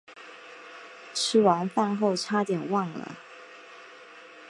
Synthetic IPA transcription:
ʈ͡ʂʰɻ̩˥wa˧˥nfa˥˧nxo˥˩ʊʈ͡ʂʰa˥t̪jɛ˨˩nwɑ˥˩ŋlə̰˩

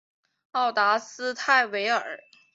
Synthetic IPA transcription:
ɑ˥˩ʊt̪a˧˥sɹ̩˥t̪ʰa˥˩ɪwe˧˥ɪə˞˨˩˦

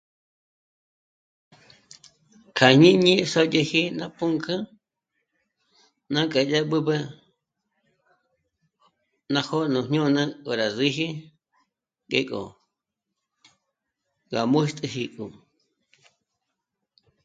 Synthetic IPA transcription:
kʰa˨ɲĩ˦ɲĩ˦so˦je˧hi˦nã˦pũ˦ŋkʰɨ̃˦ | nã˦kʼa˨ja˦ɓɨ˦bə˦ | nã˧ho˦nũ˨ɲ̥ũ˦˧nã˦kʼo˨ɾa˨zi˦ɦi˦ | kʼḛ˧kʼo̰˨ | ɡa˨mũ˦ʃt̪ʼɨ˧hi˧kʼu˨

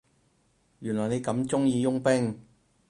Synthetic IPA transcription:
jyː˨˩nlɔː˨˩ne˨˧jkɐ˨˥mt͡sʊ˥ŋjiː˧jʊ˥ŋpɪ˥ŋ

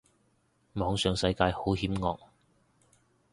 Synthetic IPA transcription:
mɔː˨˧ŋsœː˨ŋsɐ˨˥jkaː˧jho˨˥whiː˨˥mŋɔː˧k̚

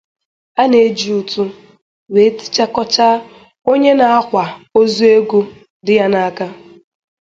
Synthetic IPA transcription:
a˦ne˨˦d͡ʒi˨u˨tu˦ | we˨˦ti̥˦t͡ʃa˦kɔ˦t͡ʃa˦ | o˦ɲe˦na˨a˦kʷa˨o˦zu˦e˦ɡu˦ | dɪ˦ja˦na˨a˦˨ka˦

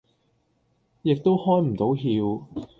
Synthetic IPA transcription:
jɪ˨k̚t̪o˥whɔː˥jm̩˨˩t̪o˨˥wɦiː˧w

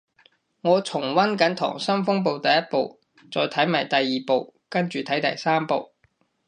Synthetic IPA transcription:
ŋɔː˨˧t͡sʰʊ˨˩ŋwɐ˥nkɐ˨˥nt̪ʰɔ̰ː˨˩ŋsɐ˥mfʊ˥ŋp̬o˨wt̪ɐ˨jɐ˥t̚po˨˧w | t͡sɔː˨˧jt̪ʰɐ˨˥jma̰ː˨˩jt̪ɐ˨jːiː˨po˨˧wkɐ˥nt͡ʃyː˨t̪ʰɐ˨˥jt̪ɐ̰˨jsaː˥mpo˨˧w

